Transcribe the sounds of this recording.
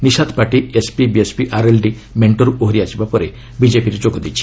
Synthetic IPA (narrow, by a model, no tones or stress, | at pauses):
nisad̪ʰpaʈiespibiespiʔaɾelɖi | meɳʈɔɾuʔoɦɾiat͡ʃibapɔɾe | bid͡ʒepiɾed͡ʒoɡɔd̪it͡ʃʰi̥